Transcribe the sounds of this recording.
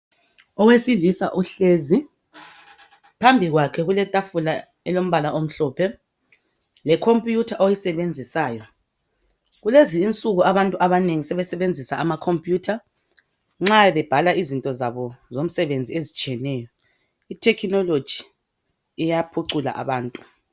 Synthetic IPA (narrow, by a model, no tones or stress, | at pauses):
ɔwesilisa̰ʔuɬeːzi | pʰambʱiɣwakʰɛɣulɛtʼafula | ɛlom̩βalaʔom̩ɬɔːpʰɛ | lɛkʰompʼjutʰaʔojisɛβend͡zʱisaːjɔ | ɣuleziːnt͡sʼuɣuaβantʼuʔaβaneŋisɛβɛsɛβend͡zʱisaːmakʰompʼjuːtʰa | ŋ͡ǁaɛβɛb̥ʱalaizintʼɔzaβɔzom̩sɛβend͡zʱiezit͡ʃʼiɛnɛjɔ | itʰɛkʰnɔlo̥d͡ʒ̥ʱi | ɛjapʰuǀula̰ʔa̰βaːntʼu